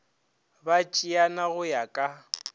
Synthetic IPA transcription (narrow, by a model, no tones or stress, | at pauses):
bat͡ʃʼianaɣʊjakʼa